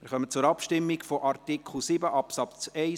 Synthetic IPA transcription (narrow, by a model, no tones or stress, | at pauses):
mɪɾχœmət͡sʊɾɑpʃtɪmːiɡfɔʔɑrtikχl̩sibəʔɑpsɑpt͡sɛɪ